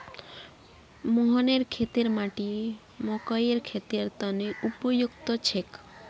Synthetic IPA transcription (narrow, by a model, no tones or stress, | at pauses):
moɦɔneɾkʰet̪eɾmaʈi | mɔkɔjeɾkʰet̪eɾt̪ɔneupɔjukt̪ɔt͡ʃʰek